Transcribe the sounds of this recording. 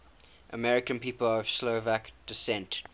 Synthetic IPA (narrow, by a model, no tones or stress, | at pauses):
ʔəmɛɹɪkə̃npiːpələv̥sloʊvakd̥ɪsɛ̃nt